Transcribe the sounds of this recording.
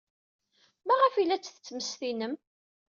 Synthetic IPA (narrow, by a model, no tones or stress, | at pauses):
mæʁəfilːæt͡sːθət͡sːməsθinəm